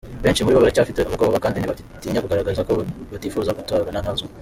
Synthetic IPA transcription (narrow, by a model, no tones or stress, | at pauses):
βe̞ːnt͡ʃimuɾiβaβaɾecaːfiteoβakoːβaβakaːndiniβa | tiːɲakuɡaɾaɡaɾizakoβatifuzaɡutoβananazu